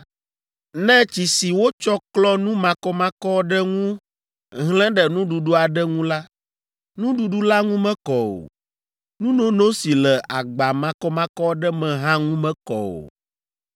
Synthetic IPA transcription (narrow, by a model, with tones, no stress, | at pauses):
nɛ̃˦t͡ɕi˨si˨wo˦t͡ʃɔ˦klɔ˦nũ˦mã˨kɔ˦mã˦kɔ˦ɖɛ˦ŋũ˦ | ɦlɛ̃˦ɖɛ˨nũ˦ɖu˨ɖu˦a˨ɖɛ˦ŋũ˦la˦ | nũ˦ɖu˨ɖu˦la˦ŋũ˦mɛ̃˦kɔ˨o̰˨ | nũ˦nõ˦nõ˦si˨lɛ˨ʔa˨ɡ͡ba˨mã˨kɔ˦mã˦kɔ˦ɖɛ˦mɛ̃˨ɦã˦ŋũ˦mɛ̃˦kɔ̰˨o̰˨